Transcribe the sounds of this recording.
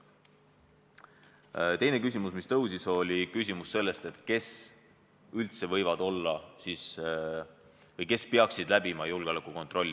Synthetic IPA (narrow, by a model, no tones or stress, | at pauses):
t̪e̞jne̞kysʲimusmist̪ɤwsiso̞lʲikysʲimusːe̞lːe̞st̪e̞t̪ke̞s | ylt̪se̞vɤjvɑd̪o̞lːɑsiːs | vɤjke̞speɑksid̪læbimɑjulɡ̥eolɑkːˑuko̞nt̪ro̞lːi